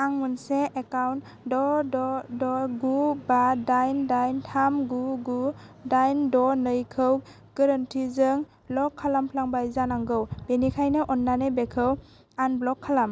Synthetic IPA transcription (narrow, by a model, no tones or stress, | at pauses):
aŋmunseekawnt | dɔdɔdɔɡubadajndajntʰamɡuɡudajndɔnɯjkʰɯw | ɡ̥əɾantʰizɯŋ | lɔkʰːalampʰlaŋbajzanaŋɡɯwbenikʰajnɯʔɔnːanebekʰɯw | anblɔkʰːalam